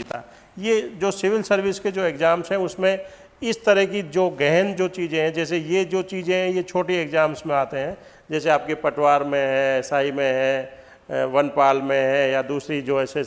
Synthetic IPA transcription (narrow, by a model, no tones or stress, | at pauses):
it̪a̰ː | jed͡ʒoːsɪʋɪlsɐɾʋɪsked͡ʒoːeːkzaːmsɦɛ̃ʊsmẽ | ɪst̪əɾəɦk̬id͡ʒoːɡɛːɦnd͡ʒoːt͡ʃiːzẽɦɛ̃d͡ʒɛːsejed͡ʒoːt͡ʃiːzẽɦɛ̃jet͡ʃʰoːʈieːkzaːmsmẽaːt̪eɦɛ̃ | d͡ʒɛːseaːp̚kepɐʈwaːɾmẽɦɛ̃saːimẽɦɛ̃ː | ʋɐnpaːlmẽɦɛ̃jad̪uːsɾid͡ʒoːɛːse